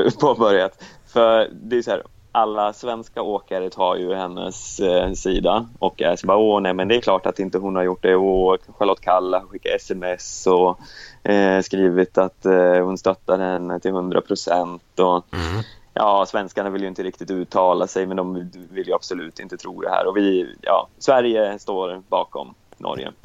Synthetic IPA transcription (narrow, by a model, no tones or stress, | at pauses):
pʰoːbœɾjat̪fœd̪ɛːjsɔhæːɾ | ʔalːasvɛnskaoːkaɾət̪ʰɑːɾjɵhɛnːə̰sːiːd̪aʔɔkːɛ̰sbɑːonɛmɛnd̪ɛæklɑːʈat̪ɪnt̪əɦʊnhaɾjʊʈːdɛokʰanɧəhaloːt̪̚kʰalːahaɧɪkːaɛsɛmɛsɔ | skɾiːvɪt̪at̪hʊnst̪œt̪ːaɾhɛnːət̪ʰɪlhɵnd̪ɾʔa̰pʰɾʊsɛnt̪ɔ | jʔɑːsvɛnskaɳavɪljʏɪnt̪əɾɪk̚t̪ɪt̪ʉ̟ːt̪ʰːɑːlasɛjmɛnd̪ɔmvɪljɵab̥sʊlʉ̟ːt̪ɪnt̪ət̪ʰɾuːd̪ɛ̰hæ̰ːɾɔvɪjɑ̰ːsvæɾjəst̪oːɾbɑ̰ːkɔ̰mnʔɔ̰ɾjə̰